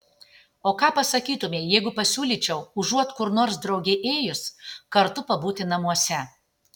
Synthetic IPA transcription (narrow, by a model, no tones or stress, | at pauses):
oːkɑːpɐsɐkʲiːt̪ʊmʲeːjɛɪɡʊpɐsʲuːlʲiːt͡ʃʲɛʊʊʒuɔt̪kʊɾnoːɾs̬d̪ɾɒʊɡʲɛʔeːjʊskɐɾt̪ʊpɐbuːt̪ʲɪnɐmuɔsʲɛ